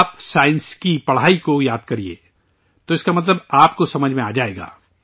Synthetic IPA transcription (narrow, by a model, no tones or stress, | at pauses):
psaːɪnskipɐɽ̤aːikojaːd̪̚kɐɾiḛː | t̪oɪskamɐt̪̬ləbaːpkosɐməd͡ʒʱmẽaːd͡ʒaːeːɡa̰ː